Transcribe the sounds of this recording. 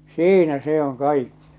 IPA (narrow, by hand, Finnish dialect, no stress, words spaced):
siːnæ se oŋ kɑikːi̥